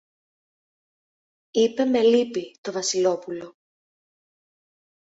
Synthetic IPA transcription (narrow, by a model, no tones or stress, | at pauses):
ipe̞me̞lipit̪o̞vɐsilo̞pulo̞